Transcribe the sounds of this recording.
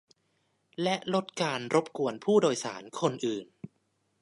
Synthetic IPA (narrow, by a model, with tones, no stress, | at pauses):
lɛ˦˥ʔlo˦˥t̪̚kaː˧nɾo˦˥p̚ku˧ənpʰuː˥˩doː˧jsa̰ː˩˦nkʰo˧nʔɯː˨˩n